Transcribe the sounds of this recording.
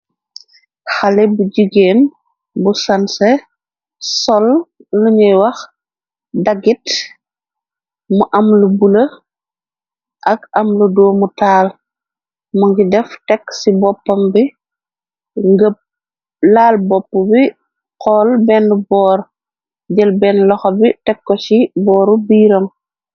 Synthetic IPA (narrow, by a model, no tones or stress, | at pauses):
xalɛbuɟiɡeːn | busɐnsɛ | sɔlːuɲɐjwɐx | dɐɡit | muʔɐmlubulə | ʔɐkɐmludɔːmutaːl | muŋɡidɛftɛksibɔpːɔmbi | ŋɡəp̚ | laːlbɔpːubi | qkɔːlbɛnːbɔːɾ | ɟəlbɛnlɔxɔbitɛkːɔsibɔːɾubiːɾɔŋ